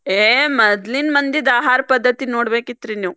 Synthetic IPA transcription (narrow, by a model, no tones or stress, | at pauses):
eːmɐd̪linmɐnd̪id̪aːɦaːɾpɐd̪ːɐt̪inoːɽbeːkit̪ːɾiniw